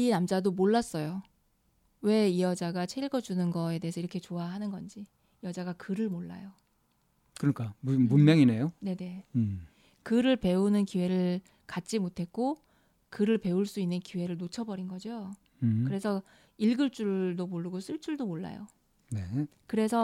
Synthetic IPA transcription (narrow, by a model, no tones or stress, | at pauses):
inamd͡ʑadomoɭːas͈ʌjo | we̞ijʌd͡ʑaɡat͡ɕʰeiɭɡʌd͡ʑunɯnɡʌe̞de̞esʰʌiɾʌkʰe̞t͡ɕoaɦanɯnɡʌnd͡ʑi | jʌd͡ʑaɡakɯɾɯɭmoɭːa̰jo | kɯɾʌnik͈amuunmjʌŋine̞jone̞ne̞ | kɯɾɯɭpe̞unɯnkiwe̞ɾɯɭ | kat̚t͡ɕ͈imotʰe̞k̚k͈o | kɯɾɯɭpe̞uɭs͈uinːɯnkiwe̞ɾɯɭnot͡ɕʰʌbʌɾinɡʌd͡ʑo | kɯɾe̞sʰʌ | iɭɡɯɭt͡ɕ͈uɭdomoɭːuɡos͈ʰuɭt͡ɕ͈uɭdomoɭːa̰jo̰ | ne̞kɯɾe̞sʰʌ